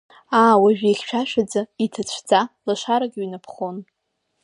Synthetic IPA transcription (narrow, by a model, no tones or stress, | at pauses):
aːwaʒᶣaiχʲʃʷᶣaʃʷᶣad͡zaitʰat͡ɕʷʰd͡zalaʂaɾaɡʲɥinapʰχo̞n